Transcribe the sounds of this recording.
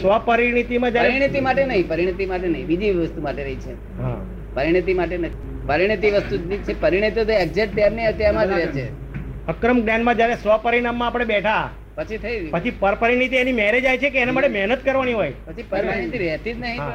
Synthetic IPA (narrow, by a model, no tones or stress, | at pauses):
sʋəpəɾiɽ̃it̪imãd͡ʒjaɾeɾiɽ̃it̪imaʈenəɦĩpəɾiɽ̃it̪imaʈenəɦĩbid͡ʒiʋʋəst̪umaʈeɾəɦit͡ʃʰe | ɦa̰ | pəɾiɽ̃it̪imaʈenət̪i | pəɾiɽ̃it̪iʋəst̪uit͡ʃʰepəɾiɽ̃it̪jot̪ɛk̚d͡ʒeʈ̚t̪jamneət̪jamãt̪ɾɛt͡ʃʰe | əkɾəmɡnjanmãd͡ʒjaɾesʋəpəɾiɽ̃amːãːpɽ̃ebɛʈʰa | pət͡ʃʰit̪ʰəipət͡ʃʰipəɾpəɾiɽ̃it̪̬ienimɛɦɾed͡ʒajt͡ʃʰekeːnamaʈemɛɦnət̪kəɾʋaniɦojpət͡ʃʰipəɾpəɾiit̪iʋɛɦt̪id͡ʒ̪nəɦĩɦa